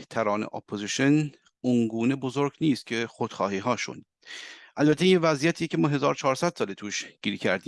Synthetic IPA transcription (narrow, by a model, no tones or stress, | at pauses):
t̪ʰæɾɒːnḛʔo̰pʰːoziʃon | uŋɡuːne̞bozoɾɡniːst̪̚cʲʰe̞xod̪̥xɒːhiːɦɒːʃṵn | ʔælbæt̪ʰːeivæzijæt̪ʰiːecʰe̞mɒːɦe̞zɒːɾot͡ʃʰɒːɾsæd̪̥sɒːlet̪ʰuːʃɡ̥iːɾcʰæ̰ɾd̪iːm